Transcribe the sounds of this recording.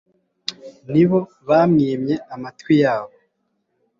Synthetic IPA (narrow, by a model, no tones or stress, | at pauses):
niβo̞ | βamŋiːmɲe̞amatkwijaːβo